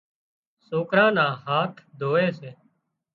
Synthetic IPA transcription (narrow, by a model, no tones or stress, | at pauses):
soːkɾãːnãːɦaːt̪ʰd̪ʱoːeːseː